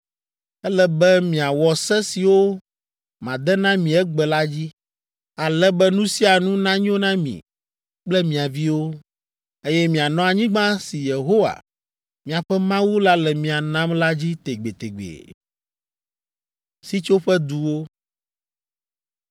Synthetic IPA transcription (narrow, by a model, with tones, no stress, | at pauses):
ɛ˦lɛ˦bɛ˦mĩ˨a˨wɔ˨sɛ˦si˨wo˦ | mã˨d̪ɛ˦nã˦mĩ˨ɛ˦ɡ͡bɛ˨la˦d͡ʑi˦ | a˨lɛ˦bɛ˦nũ˦si˦a˨nũ˦nã˦ɲ̃˦o˦nã˦mḭ̃˨ | k͡plɛ˦mĩ˨a˨vi˦wo˦ | e˦jɛ˦mĩ˨a˨nɔ̃˦a˨ɲĩ˦ɡ͡bã˦si˨je˨ɦo˦wa̰˨ | mĩ˨a˨ɸɛ˦mã˦wu˦la˦lɛ˨mĩ˨a˨nã˦mla˦d͡ʑi˦t̪e˨ɡ͡be˨t̪e˨ɡ͡bḛ˨ | si˦t͡ʃo˦ɸɛ˦d̪u˨wo˦